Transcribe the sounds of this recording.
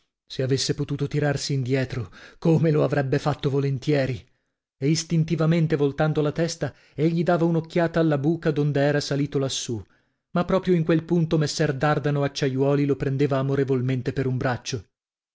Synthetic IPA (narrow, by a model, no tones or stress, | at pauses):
seavesːepot̪uːt̪ot̪iɾarsiːnd̪jɛːt̪ɾokomeloavɾɛbːefat̪ːovolent̪jɛːɾi | eist̪int̪ivament̪evolt̪and̪olat̪ɛst̪a | eʎːid̪aːvaunokːjaːt̪aːlːabuːkad̪ond̪eɛːɾasaliːt̪olasːu | mapːɾɔːpɾjoiŋkwelpunt̪omesːɛrd̪ard̪anoat͡ʃːajwɔːlilopɾend̪eːvaːmoɾevolment̪epeɾumbɾat͡ʃːo